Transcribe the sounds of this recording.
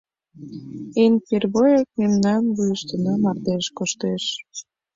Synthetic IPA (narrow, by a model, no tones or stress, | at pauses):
enperβojek̚memnɑnβujəʃt̪ənɑmɑrd̪eʃkoʃt̪eʃ